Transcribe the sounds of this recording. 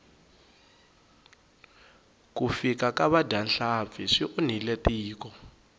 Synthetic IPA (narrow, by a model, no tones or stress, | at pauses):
kufikakaβadʱanɬap̪fiʂiʔun̤iletiːkɔ